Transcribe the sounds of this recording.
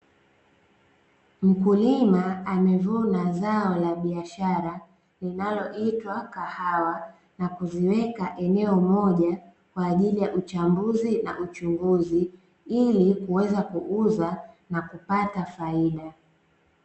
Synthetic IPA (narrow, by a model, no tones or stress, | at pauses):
m̩kulimaamɛvunazaɔlaɓiaʃaɾa | linalɔʔitwakahawa | nakuziwɛkaʔɛnɛɔmɔʄa | kwaːʄilijaʔut͡ʃambuzina̰ʔut͡ʃuŋɡuzi | ilikuwɛzakuʔuza | nakupatafaiɗa